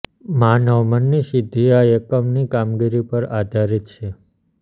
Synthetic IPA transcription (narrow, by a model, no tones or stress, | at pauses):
manəʋmənːiʃɪd̪ʱiaekəmnikamɡiɾipəɾad̪ʱaɾit̪̚t͡ʃʰe